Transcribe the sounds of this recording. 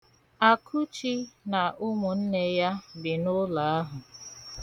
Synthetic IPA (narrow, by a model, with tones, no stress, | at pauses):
a˨kʰʊ˦t͡ʃi˦na˨ʔʊ˦ŋʷʊ˨n̩˦ne˦ja˦bɪ˨nʊ˦la˨a˦ɦʊ˨